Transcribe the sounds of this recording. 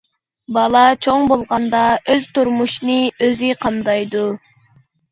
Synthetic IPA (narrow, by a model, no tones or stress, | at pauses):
bɑlˠɑt͡ʃʰoŋbolˠʁɑnd̪ɑøz̥t̪uɾmuʃnɨøziqʰɑnd̪ɑjd̪u